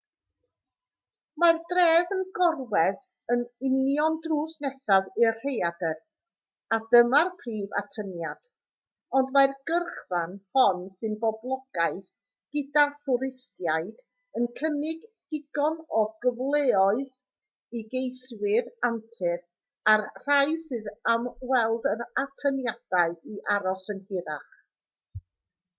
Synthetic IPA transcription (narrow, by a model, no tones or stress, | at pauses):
mardrɛːvənɡɔrwɛð | ənɪnjɔndruːsnɛsaðɪrr̥ejadər | adəmarpʰriːva̰tʰənjad̥ | ɔndmarɡərχvanfɔnsɨnbɔblˠɔɡ̥aɨð | ɡ̥ɪdaθʊɾɪstjajd̥ | ənkʰənɪɡ | ɪɡɔnɔɡəvlˠeːɔɨð | iɡejswɪɾantʰɨr | arr̥ajsɨðamwɛlˠdənatʰənjad̥aɨiʔaɾɔsənhɪɾaχ